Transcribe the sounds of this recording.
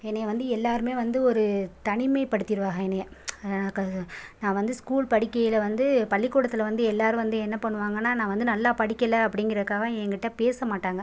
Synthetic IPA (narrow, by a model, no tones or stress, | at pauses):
ɛnːɐjɐʋɐnd̪ɯɛlːaːɾɯmeːʋɐnd̪ɯɔɾɯt̪ɐɳɪmɐɪpɐɽɯt̪ːɪɾɯʋaːɣɐɛnːɐjɐnaːkɐnãːʋɐnd̪ɯskuːɭpɐɽɪkːɐjɪlɐʋɐnd̪ɯpɐɭːɪkːuːɽɐt̪ːɪlɐʋɐnd̪ɯɛlːaːɾɯ̃ʋɐnd̪ɯɛnːɐpɐɳːɯʋaːŋɡɐnːaːnãːʋɐnd̪ɯnɐlːaːpɐɽɪkʲːɐlɐɐpːɐɽɪŋɡɪɾɐðɯkːaːɣɐɛŋɡɪʈːɐ̃peːsɐmaːʈːaːŋɡɐ